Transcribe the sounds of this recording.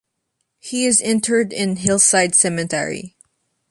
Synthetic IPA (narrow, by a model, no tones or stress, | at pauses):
hiɪzɛ̃ntʰə˞dɪ̃nɦɪlˠsaɪdsɛmɨ̃tʰɛ̰ɹḭ